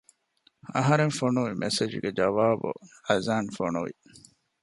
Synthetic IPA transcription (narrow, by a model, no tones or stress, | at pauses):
ɐɦɐɾeŋfonuʋimʔesed͡ʒɡed͡ʒɐʋaːbṵɐzaːnfonuʋḭ